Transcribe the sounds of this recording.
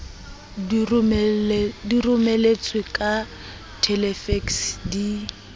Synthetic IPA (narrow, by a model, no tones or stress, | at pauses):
dirʊmɛlet͡sʼwɪkʼa | tʰɛlɛfɛksdi